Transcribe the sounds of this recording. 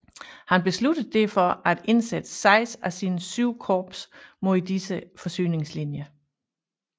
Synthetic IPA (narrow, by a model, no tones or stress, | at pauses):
hænb̥e̝slud̥əð̩ˠd̥efɒ̽ʔæd̥e̝nsed̥əsɑ̈ɪsæsiːnəsyʊ̰kʰɒːb̥smoid̥isəfɒ̽sy̰ːne̝ŋslinjɐ